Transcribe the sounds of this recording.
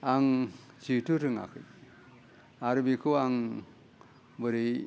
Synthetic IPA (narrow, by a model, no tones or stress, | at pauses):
aŋ | t͡ʃitʰuɾɯŋa̰kʰɯj | aɾbikʰɯaŋ | bɯɾi